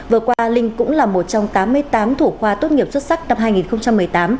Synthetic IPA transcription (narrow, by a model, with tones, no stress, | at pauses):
vɨ˨˩əkwaː˧lï˧ŋ̟kʊ̰˧˥ŋ͡mlaː˨˩mo˨˩t̚t͡ɕɔ˧wŋ͡mt̪aː˨˦mːɨ˧əjt̪aː˨˦mt̪ʰu˧˩xwaː˧t̪o˦˥t̚ŋi˨˩əp̚swə˦˥t̚sa˦˥k̚na˧mɦaː˧jŋi˨˩nxə˧ŋ͡mt͡ɕa˧mːɨ˨˩əjt̪aː˨˦m